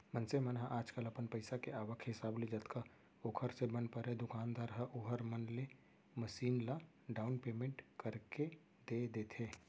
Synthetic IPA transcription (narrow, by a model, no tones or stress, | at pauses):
mənsemənɦaʔaːd͡ʒkələpənpəɪsakeaːʋəkʰɦɪsaːbled͡ʒət̪ka | oːkʰəɾsebənpəɾed̪ʊkaːnd̪aːɾɦəʔuɦəɾmənle | məʃiːnla | ɖaːʊnpeːmẽɳʈkəɾke | d̪̥ed̪eːt̪ʰe